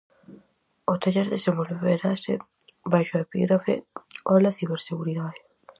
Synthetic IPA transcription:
ot̪aʎeɾðesemboluβeɾasebajʃoepḭɣɾafḛolaθiβeɾseɣuɾiðaðe

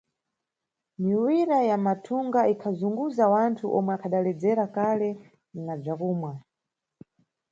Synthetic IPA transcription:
miwiɾajamatʰuŋɡaikʰazuŋɡuzawantʰuʔɔmwɛakʰaɗalɛd͡zɛɾakalɛ | nab͡ʐakuːmwa

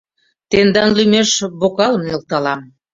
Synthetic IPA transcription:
t̪end̪ɑnlymeʃβokɑləmnʲelt̪ɑlɑm

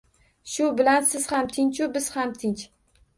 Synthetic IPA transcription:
ʃʊbɪlansɪz̥hamt̪ʰɪɲt͡ʃʰʊbɪz̥hamt̪ʰɪnt͡ʃ

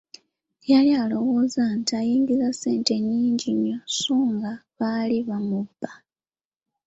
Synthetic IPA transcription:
jalialo̞wo̞ːzantiajiːɲɡizase̞ːnte̞ɲːiːɲɟiɲːo̞suːŋɡaβaliβamubːa

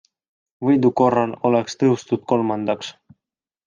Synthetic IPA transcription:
βijd̪ukorɑnolakst̪ɨust̪ut̪̚kolmɑnd̪ɑkʃ

